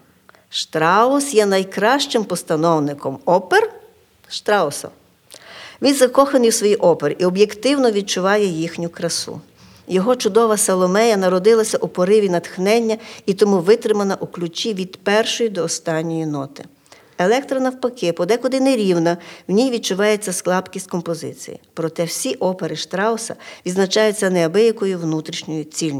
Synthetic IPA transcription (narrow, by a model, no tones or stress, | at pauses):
ʃt̪ɾɑʊsjɛnɐjkɾɑʃt͡ʃɪmpɔst̪ɐnɔwnɪkɔmɔper | ʃt̪ɾɑʊsɐ̰ | ʋʲinzɐkɔxɐnɪjwsʋɔjiʔɔpeɾʔiɔbjekt̪ɪwnɔʋʲid̪̚t͡ʃʊʋɑjɛjixnʲʊkɾɐsṵ | jɔɦɔt͡ʃʊd̪ɔʋɐsɐlˠɔmɛjɐnɐɾɔd̪ɪlˠɐsʲɐʔupɔɾɪʋʲinɐt̪xnɛnʲːɐit̪ɔmuʋɪt̪ɾɪmɐnɐʔuklʲʊt͡ʃʲiʋʲid̪̥pɛrʃɔjid̪ɔːst̪ɑnʲːɔjinɔt̪ɪ̥ | elˠɛkt̪ɾɐnɐwpɐkɪpɔd̪ɛkʊd̪ɪnɛɾʲiwnɐwnʲijʋʲid̪̚t͡ʃʊʋɑjet͡sʲːɐsklˠɑpkʲisʲtʲkɔmpɔzɪ̰t͡sʲḭjḭpɾɔt̪ɛwsʲiʔɔpeɾɪʃt̪ɾɑwsɐ̰ʋʲid̪znɐt͡ʃɑjʊt͡sʲːɐnɛɐbɪjɐkɔjʊwnut̪ɾʲiʃnʲɔjʊt͡sʲilʲnʲ